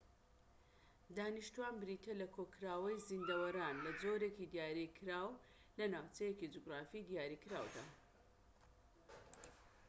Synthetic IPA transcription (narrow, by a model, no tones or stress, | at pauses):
d̪aːniʃt̪uwaːnbɨɾit̪ʰelɐkʰokʰɾaːwɐjzind̪ɐwɐɾaːnlɐd͡zoɾecid̪ijaːɾikʰɨɾaːw | lɐnaːwt͡sɐjecid͡ʒuɡɾaːfid̪jaːɾikɾa̰wd̪a̰